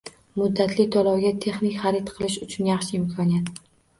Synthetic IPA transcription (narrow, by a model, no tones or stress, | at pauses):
mʊd̪ːat̪lɪt̪ʰɒlɒwɡʲat̪ʰe̞χnɪkʲχɑɾɪt̪qʰɨlɪʃʊt͡ʃʰʊnjɑχʃɪɪmkʰɒnijat̪